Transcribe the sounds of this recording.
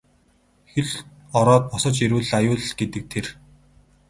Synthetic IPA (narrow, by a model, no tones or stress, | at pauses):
xeɮ | ɔɾɔːt̪̚pɔsɞ̆t͡ɕiɾɘ̆ːɮajʊːɮɡet̪ɘ̆k̚t̪ʰer